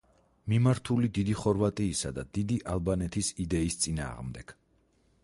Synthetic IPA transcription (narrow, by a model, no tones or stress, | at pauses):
mimaɾt̪ʰulid̪id̪iχɔɾvat̪ʼiːsad̪ad̪̥id̪iʔalˠbanɛt̪ʰisid̪ɛist̪sʼina̰ːʁmd̪ɛɡ̥